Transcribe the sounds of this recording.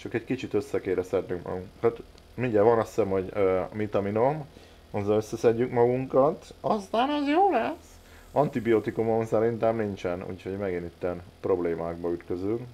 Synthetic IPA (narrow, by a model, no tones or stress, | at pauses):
t͡ʃɒkɛckit͡ʃit̪ø̞sːɛkeːɾɛsɛd̪nyŋkmɒ̰ɡuŋkɒt̪ | miɲɟɛvɒnɒsːɛmɦo̞ɟmit̪ɒminom | ɒzːɒnøsːɛsɛɟːykmɒɡuŋkɒt̪ɒst̪aːnɛzjoːlɛs | ɒnt̪ibijot̪ikumo̞msɛɾint̪ɛmnint͡ʃɛnṵːcho̞ɟmɛɡinit̪ːɛnpro̞bleːmaːɡbɒyt̪kø̞zyŋk